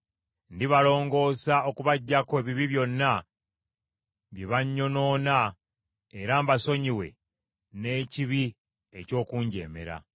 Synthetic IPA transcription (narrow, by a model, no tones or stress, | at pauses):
ndiβalo̞ːŋɡo̞ːsao̞kuβaɟːakoe̞ːβiβiβjo̞nːa | βjeβaɲːo̞no̞ːna | eɾaːmbaso̞ɲiwe̞̰ | ne̞ːciβi | eco̞ːkuːɲɟe̞̰ːme̞̰ɾa̰